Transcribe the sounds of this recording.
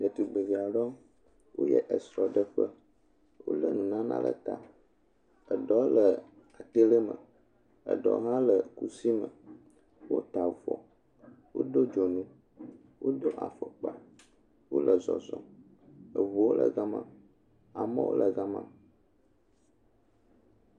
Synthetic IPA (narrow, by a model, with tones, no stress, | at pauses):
də˨t̪u˨ɡ͡be˨vi˨a˨ɖɔ˦ | wo̰˦jɛ̰˨ʔə˨sɾɔ˨ɖə˦ɸə˦ | wo̰˦lə˦nũ˨nã˦nã̰˦lʔə̰˨t̪a˨ | ə˨ɖɔ˦lə˨ | a˨t̪e˦lə˦mə̰̃˨ | ə̰˨ɖɔ̰˨ɦã˦lə˨ku˦si˦mə̃˨ | wo˦t̪a˨vɔ̰˨ | wo˦ɖo˦d͡ʒɔ˨nũ˦ | wo˦d̪o˦ʔa̰˨fə˨k͡pa˨ | wo˦lʔə˨zɔ̰˨zɔ˨ | ə˨vu˨wo˦lə̰˨ɣa˦mã̰˦˨ | a˨mə̃˦wo̰˦lə˨ɣa˦mã̰˦